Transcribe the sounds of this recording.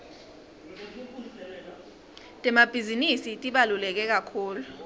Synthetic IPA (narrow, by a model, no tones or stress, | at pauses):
tʼɛmab̥ʱizinisitʼiɓalulɛk̬ɛk̬akʰuːlu